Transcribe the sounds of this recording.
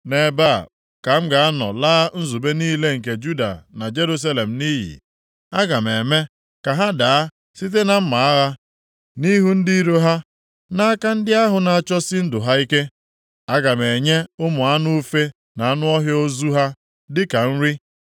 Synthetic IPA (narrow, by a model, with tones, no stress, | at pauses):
ne˨ba̰˦˨ | ka˨m̩˦ɡa˨a˦nɔ̰˨laː˦n̩˦zu˨be˦niː˦le˦ŋ̩˨k̬e˨d͡ʒu˦da̰˨na˨d͡ʒe˦ɾu˦s̬a˦le˨m̩˨ni˦ɦḭ˨ | a˦ɡa˨me˨me˦ | ka˨ɦa˦da˨a˦ | si˦t̬e˦na˨m̩˦ma˨a˦ɣa˦ | ni˦ɦu˦n̩˦di˦i˦ɾo˦ɦa˦ | na˦a˦ka˦n̩˦dɪ˦a˦ɦʊ˨na˨a˨t͡ʃɔ˦sɪ˦n̩˦dʊ˨ɦa˦i˦ke˦ | a˦ɡa˨me˨ɲe˦ʊ˦mʊ˨a˦nʊ˦fe˦ | na˨a˦nʊ˦ɔ˦ɦjo˦zu˦ɦa˦ | dɪ˦ka˨n̩˦ɾi˦